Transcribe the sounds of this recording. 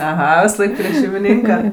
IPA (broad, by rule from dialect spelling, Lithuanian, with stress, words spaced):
ɐˈɣɐ ʋʲɪsɐˈlˠɐɪk pʲrʲiɛ ʃʲɛɪmʲɪˈnʲiːŋkɐ